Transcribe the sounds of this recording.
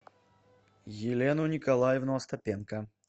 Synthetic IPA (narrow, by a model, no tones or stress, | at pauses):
jɪlʲɛnʊnʲɪkalˠajɪvnoɐst̪ɐpʲɛnkɐ